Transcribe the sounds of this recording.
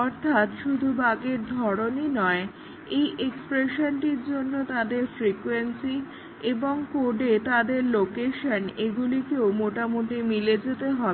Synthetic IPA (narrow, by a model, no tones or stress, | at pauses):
ɔɾt̪ʰat̪ʃud̪ʱubaɡeɾd̪ʱɔɾoninɔe | ejʔekspɾeʃonʈiɾd͡ʑonːot̪ad̪eɾfɾikwensi | eboŋkoɖet̪ad̪eɾlokeʃaneɡulikeomoʈamoʈimiled͡ʑet̪eɦɔbe